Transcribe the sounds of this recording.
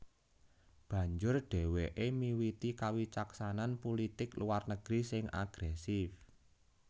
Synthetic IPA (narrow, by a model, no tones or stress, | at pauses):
b̥ä̤ɲd͡ʒʊrɖ̥ɛ̤weʔemiwit̪ikawit͡ʃaksananpulit̪ɪkluwarnəɡ̥ɾisɪŋa̰ɡ̥ɾɛsɪf